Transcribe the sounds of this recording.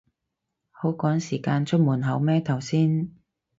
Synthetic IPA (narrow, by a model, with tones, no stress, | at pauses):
ho˨˥wkɔː˨˥ŋsiː˨˩kaː˧nt͡ʃʰɵ˥t̚muː˨˩nɦɐ˨˧˥wmɛː˥t̪ʰɐ˨˩wsiː˥n